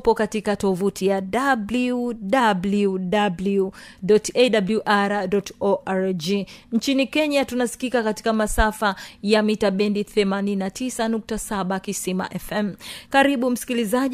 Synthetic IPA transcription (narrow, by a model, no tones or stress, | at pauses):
pɔkatikatɔvutʰijaɗabluɗabludabludɔteɗabluʔaɾadɔtɔʔaɾd͡ʒiɲt͡ʃinikɛɲatunasi̥kikakati̥kamasafajamitaɓɛndiθɛmaninatʰisanuk̚tasaɓakisima̰ʔɛfɛmkaɾiɓum̩si̥kiliza